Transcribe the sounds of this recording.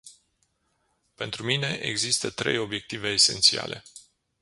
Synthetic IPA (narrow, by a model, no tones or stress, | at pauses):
pe̞nt̪ɾumine̞ʔḛɡzist̪ət̪ɾe̞jo̞bje̞k̚t̪ive̞ːse̞̰nt̪sia̰lʔe̞̰